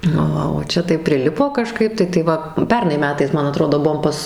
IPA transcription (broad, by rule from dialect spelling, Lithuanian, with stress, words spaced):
nʊ ˈʋɐ oː ˈt͡ʃʲɛ tɐɪ pʲrʲɪˈlʲɪpoː kɐˈʃkɐɪp tɐɪ tɐɪ ˈʋɐ ˈpʲɛrnɐɪ ˈmʲæːtɐɪs ˈmɐn ɐˈtroːdoː ˈbuɔm ˈpɐs